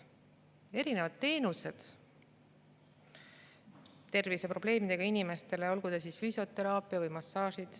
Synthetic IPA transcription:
e̞ɾine̞vɑd̪̥t̪ːe̞ːnuse̞d̪̥ | t̪e̞rvise̞pro̞ble̞ːmid̪̥e̞ɡ̥ɑinime̞st̪e̞leo̞lɡ̥ud̪̥ɑsisfyso̞t̪ːˑe̞ɾɑːpːˑiɑvɯjmɑsːɑːʃid̪̥

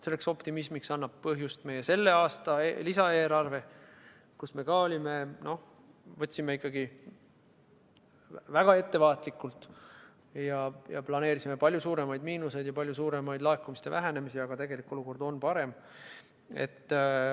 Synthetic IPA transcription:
se̞lːekso̞pt̪imismiksɑnːɑb̥̚pɤɦjust̪me̞jese̞lːe̞ɑːst̪ɑelisɑeːɾɑrve̞ | kusme̞ɡɑolʲime̞no̞ | vɤt̪ʲsime̞ikːˑɑɡ̥i | væɡ̥ɑe̞t̪ːe̞vɑːt̪ˑlikːˑult̪ | jɑjɑ̰plɑne̞ːɾisimepɑlʲjusuːɾe̞mɑjd̪miːnuse̞jd̪̥jɑpɑlʲjusuːɾe̞mɑjd̪lɑekːˑumist̪e̞væɦæne̞misiɑɡ̥ɑt̪e̞ɡ̥e̞likːˑo̞luko̞rd̪o̞npɑɾe̞m | e̞̰t̪ː

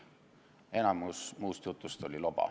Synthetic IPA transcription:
e̞nɑmusmuːst̪jut̪ˑːust̪o̞lʲilob̥ɑ̰

